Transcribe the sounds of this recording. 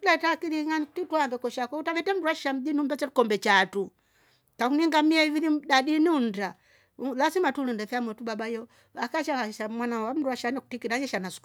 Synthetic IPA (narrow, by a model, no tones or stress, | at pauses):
latakiɾiŋatituaŋɡɛkɔʃakɔutaβɛtɛm̩duwaʃiʃam̩dinumbɛt͡ʃɛtukɔmbɛt͡ʃatu | kakuniŋɡamiɛivilidaɗiniun̩da | lasimatulundɛfɛamwɛtubabajɔ | akaʃakaʃamwanawam̩duwaʃanɛkutikiɾaɲɛʃanasu̥k